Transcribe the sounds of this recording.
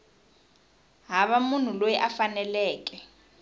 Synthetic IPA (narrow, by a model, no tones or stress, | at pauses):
ɦaβamun̤ulojiʔafanɛlɛːk̬ʼɛ